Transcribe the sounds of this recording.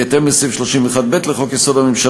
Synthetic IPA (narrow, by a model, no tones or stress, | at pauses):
at̪emlesifʃloʃimveχad̪̚bet̪leχokjesod̪amimʃa